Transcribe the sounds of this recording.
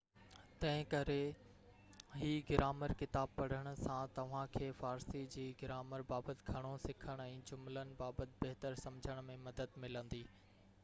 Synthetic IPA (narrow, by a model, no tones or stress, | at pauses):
t̪ɐ̃ɦɪ̃kɐɾe | ɦiːɡɪɾʔaːməɾkɪt̪aːb̚pɐɽ̤əɽ̃ʊ̆sãt̪ɐʋ̤ãkʰeːfaːɾsid͡ʑiːɡɪɾaːməɾbaːbət̪ɪ̆ɡʱɐɽ̃osɪkʰəɽ̃ɛ̃ːd͡ʑʊmlənɪ̆baːbət̪ɪ̆beɦt̪əɾsɐmd͡ʑʱəɽ̃mẽmɐd̪əd̪mɪlə̃nd̪iː